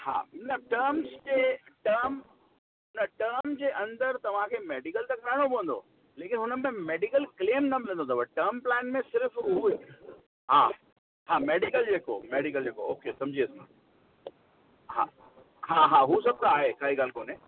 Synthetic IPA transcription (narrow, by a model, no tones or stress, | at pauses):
ha̰ːnɐʈəɾmzd͡ʑeːʈɐɾm | nɐʈəːɾmd͡ʑeːʔɐ̃nd̪əɾt̪ɐʋ̤ãkʰeːmeːɖikəlt̪ɐkʰɾaːɽ̃opɐ̃ʋə̃nd̪o̰ː | leːkɪnɦʊnəmẽmeːɖikəlkleːmnɐmɪlə̃nd̪ot̪ɐʋɐʈɐːɾmplɛːnmẽsɪɾfɦue | ɦaː | ɦaːmeːɖikəld͡ʑeːko̰meːɖikəld͡ʑeːkooːkesɐ̃md͡ʑiːɐsmã | ɦa̰ː | ɦaːɦaːɦusɐb̚t̪aːɦekaːɦiɡaːlkoːnẽː